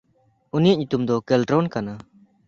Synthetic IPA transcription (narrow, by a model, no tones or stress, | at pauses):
unijaʔɲut̪umd̪ɔkelʈɾɔnkana